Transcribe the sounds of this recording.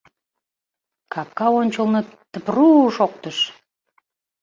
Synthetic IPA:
kɑp̚kɑonʲt͡ɕəlˠnət̪əpruʃok̚t̪əʃ

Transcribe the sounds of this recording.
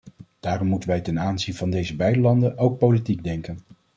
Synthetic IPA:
d̥aːrɔmːutənʋɛjtɛnaːnzinvɑndejzəbɛjdəlɑndənowk̚politiɡ̚dɛŋkən

